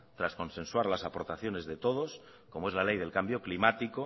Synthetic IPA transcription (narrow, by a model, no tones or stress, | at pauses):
t̪ɾasko̞nse̞nswaɾlasapo̞ɾt̪aθjo̞ne̞zðe̞t̪o̞ð̞o̞s | ko̞moe̞zlale̞jðe̞lkambjo̞klimat̪iko